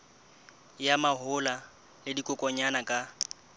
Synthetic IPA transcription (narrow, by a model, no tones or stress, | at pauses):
jamaɦʊla | lɪdikʼʊkʼɔɲanakʼa